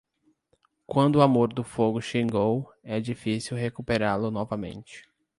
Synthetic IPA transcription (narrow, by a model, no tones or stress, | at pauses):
kwɐ̃nd̪ʊamoɾd̪ʊfoɡʊʃĩɡowɛd͡ʒifisiwɦekupeɾaɾlʊnɔvɐmḛ̃nt͡ʃɪ̥